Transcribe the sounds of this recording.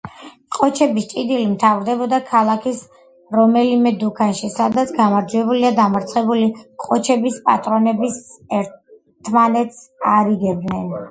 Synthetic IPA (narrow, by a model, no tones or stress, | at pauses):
qʼɔt͡ʃʰɛbist͡ʃʼid̪ilimt̪ʰavɾd̪ɛbɔd̪akʰalˠakʰis | ɾɔmɛlimɛd̪ukʰanʃisad̪at̪sʰɡamaɾd͡ʒuɛbuliad̪amaɾt̪sʰχɛbuliqʼɔt͡ʃʰɛbispʼa̰t̪ʼɾɔnɛbisɛɾ | t̪ʰmanɛt̪saɾiɡɛb̚d̪nɛn